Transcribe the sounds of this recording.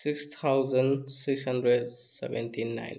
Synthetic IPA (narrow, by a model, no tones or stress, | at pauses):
sikst̪ʰawzənsikshandɾɛd | sɛ̰bɛ̰ntʰinːa̰jn